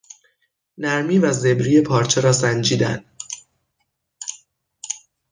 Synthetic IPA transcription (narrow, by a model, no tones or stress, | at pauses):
næɾmiːvæze̞bɾiːe̞pʰɒːɾt͡ʃʰe̞ɾɒːsænd͡ʒiːd̪æ̰nd̪